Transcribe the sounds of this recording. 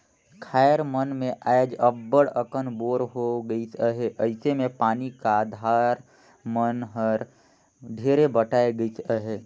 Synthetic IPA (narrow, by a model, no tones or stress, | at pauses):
kʰaːjəɾmənmẽʔajd͡ʒəbːəɽəkənboːɾɦoɡəisəɦeʔəɪsemẽpaːnikaːd̪ʱaɾ | mənɦəɾ | ɖʱeːɾebəʈaːeɡəit̪əɦe